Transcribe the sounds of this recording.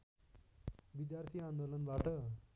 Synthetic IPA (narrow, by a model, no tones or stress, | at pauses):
ʋid̪jaɾt̪ʰiːãnd̪olənʋaʈə